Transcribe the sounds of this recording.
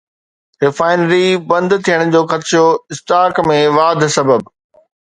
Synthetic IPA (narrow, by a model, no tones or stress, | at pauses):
ɦɪfaːɪnɾibɐ̃nd̪ʱt̪ʰijəɽ̃d͡ʑoːxɐt̪ʃoɪsʈaːkmẽʋaːd̪ʱsɐbəb